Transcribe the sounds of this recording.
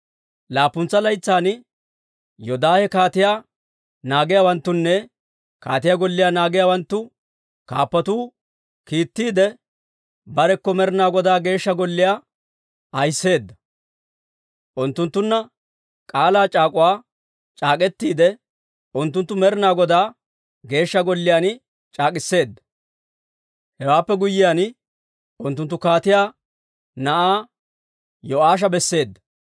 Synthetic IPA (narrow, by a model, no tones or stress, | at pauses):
laːpːʊnt͡sːɐlɐjt͡sːaːn | jɔd̪aːhɛkaːt̪ɪjaː | naːɡɪjaːwɐnt̪ːʊnːɛ | kaːt̪ɪjaɡɔlːɪjaːnaːɡɪjaːwɐnt̪ːʊ | kaːpːɐt̪uː | kiːt̪ːiːd̪ɛ | bɐɾɛkːɔmɛɾɪnaːɡɔd̪aːɡe̞ːʃːɐɡɔlːɪjaː | ɐjsːe̞ːd̪ːɐ | ʔʊnt̪ːʊnt̪ːʊnːɐ | kʼaːlaːt͡ʃʼaːkʼʊwaː | t͡ʃʼaːkʼɛt̪ːiːd̪ɛ | ʔʊnt̪ːʊnt̪ːʊmɛɾɪnaːɡɔd̪aː | ɡe̞ːʃːɐɡɔlːɪjaːnɪ | t͡ʃʼaːkʼɪsːe̞ːd̪ːɐ | hɛwaːpːɛɡʊjːɪjaːn | ʊnt̪ːʊnt̪ːʊkaːt̪ɪjaː | nɐʔaː | jɔʔaːʃ̬ɐbɛsːe̞ːd̪ːɐ